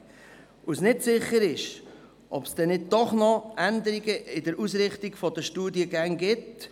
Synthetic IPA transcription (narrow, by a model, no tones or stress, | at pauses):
ʔʊsnɪtsɪχːəɾɪʃ | ʔɔpsd̥ɛnɪd̚dɔχnɔʔænd̪əɾiɡəɪdəɾusɾɪχt̪iɡfɔd̥̪əʃtuːdiəɡæŋɡɪt